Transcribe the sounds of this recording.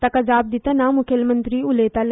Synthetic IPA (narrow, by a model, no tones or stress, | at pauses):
t̪ɐkɐd͡ʒaːb̚d̪ɪt̪enãmʊkʰəlmə̃nt̪ɾiʊleːt̪al